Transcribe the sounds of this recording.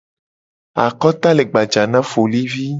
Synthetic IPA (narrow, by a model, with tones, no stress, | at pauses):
a̰˨kɔ˦t̪a˦le˨ɡ͡ba˨d͡ʒa˨nã˦fo˨li˦vi˦